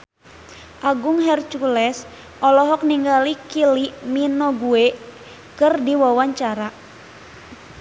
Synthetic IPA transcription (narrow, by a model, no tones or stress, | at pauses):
ʔaɡuŋɦɛrt͡ʃulɛs | ʔɔlɔɦɔk̚niŋɡalikiliminɔɡue | kɨrdiwawaɲt͡ʃaɾa